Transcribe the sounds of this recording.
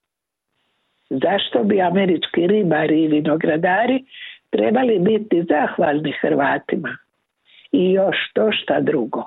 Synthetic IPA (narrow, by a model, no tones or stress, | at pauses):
zaʃt̪o̞biameɾit͡ʃkiɾibaɾiːʋino̞ɡɾad̪aːɾit̪ɾeːbalibit̪izaxʋaːlˠnixɾʋaːt̪ima | ijo̞ʃt̪o̞ʃt̪ad̪ɾuɡo̞